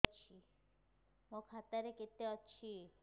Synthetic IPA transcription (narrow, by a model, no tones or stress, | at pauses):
t͡ɕʰi | mokʰat̪aɾeket̪eɔt͡ʃʰi